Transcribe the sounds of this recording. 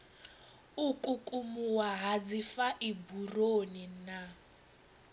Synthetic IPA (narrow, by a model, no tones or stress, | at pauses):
ukʼukʼumuwaɦad͡zifaʔiburonina